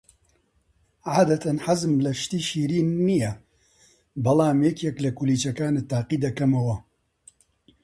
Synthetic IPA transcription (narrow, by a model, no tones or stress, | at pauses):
ʕaːd̪ɐt̪ʰɐnħazmlɐʃt̪iːʃiːɾiːnːijɛ | bɐlaːmjɛkjɛklɐkuliːt͡ʃɐkaːnet̪aːqiːd̪ɐkɐmɐwɐ